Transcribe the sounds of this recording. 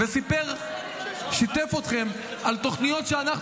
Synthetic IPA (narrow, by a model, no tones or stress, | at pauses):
vesipeʁ | ʃit̪efot̪χe̞m | alt̪o̞χnijo̞t̪ʃeanaχ